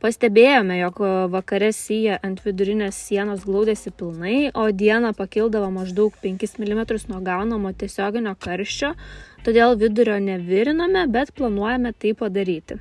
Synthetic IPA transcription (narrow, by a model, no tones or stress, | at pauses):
pɐsʲt̪ʲɛbʲeːjoːmʲɛjɔkʋɐkɐɾʲɛsʲiːjɛʔɐnt̪ʲʋʲɪd̪ʊɾʲɪnʲeːssʲiɛnoːsɡlˠɐʊd̪ʲeːsʲɪpʲɪlˠnɐɪoːd̪ʲiɛnɐpɐkʲɪlˠd̪ɐʋɐmɐʒd̪ɐʊkpʲɛŋʲkʲɪsmʲɪlʲɪmʲɛt̪ɾʊsnuɔɡɐʊnɐmoːt̪ʲiɛsʲoːɡʲɪnʲoːkɐɾʲʃʲt͡ʃʲoːt̪oːd̪ʲeːlˠʋʲɪd̪ʊɾʲoːnʲɛʋʲɪɾʲɪnɐmʲɛbʲɛt̪plˠɐnuɔjɛmʲɛt̪ɐɪppɐd̪ɐɾʲiːt̪ʲɪ